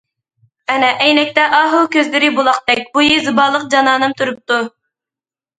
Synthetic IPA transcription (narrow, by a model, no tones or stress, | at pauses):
ɛnɛʔɛjnɛk̚ʲt̪ɛʔɑɦukʲʰøzlɪɾɪbulˠɑq̚d̪ɛk̚ʲbujizɨbɑːlˠəq̚d͡ʒɑnɑːnɨmt̪ʰuɾup̚t̪u